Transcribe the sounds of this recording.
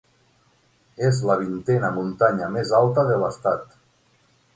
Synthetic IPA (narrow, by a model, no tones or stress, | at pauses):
ezləβ̞int̪ɛnəmunt̪aɲəmezalˠt̪əðələst̪at̪